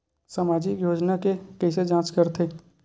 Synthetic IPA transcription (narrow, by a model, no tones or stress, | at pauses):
samaːd͡ʒikjoːd͡ʒnakekɛɪsed͡ʒãːt͡ʃkəɾt̪ʰeː